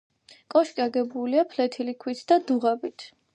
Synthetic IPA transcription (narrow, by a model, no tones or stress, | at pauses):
kʼɔʃkʼiaɡɛbuliapʰlɛt̪ʰilikʰwit̪ʰd̪̥ad̪uʁabit̪ʰ